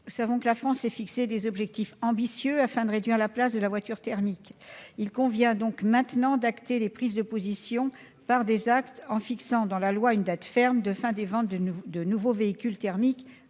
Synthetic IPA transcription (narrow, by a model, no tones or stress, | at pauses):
nusavɔ̃kəlafχɑ̃sɛfiksed̪ezɔbʒɛk̚t̪ifɑ̃bisjøafɛ̃d̪əʁed̪ɥiʁlaplas̬d̪əlavwat̪yʁt̪ɛʁmikilkɔ̃vjɛ̃d̪ɔ̃kmɛ̃t̪nɑ̃d̪akt̪elepχizd̪əpozisjɔ̃ | paʁd̪ezakt̪ɑ̃fiksɑ̃d̪ɑ̃lalwaynd̪at̪fɛʁmd̪əfɛ̃d̪evɑ̃t̪d̪ənuvoveikʲylt̪ɛʁmik